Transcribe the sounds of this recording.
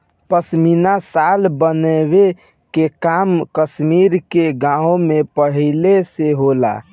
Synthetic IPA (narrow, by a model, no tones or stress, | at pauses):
pəsminasalbəneβe | kekamkəsmiɾkeɡãõmepəɦileseɦola̰